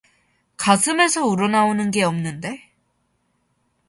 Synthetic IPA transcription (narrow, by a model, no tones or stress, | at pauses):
kasʰɯme̞sʰʌuɾʌnaonɯnɡe̞ʌmnɯnde̞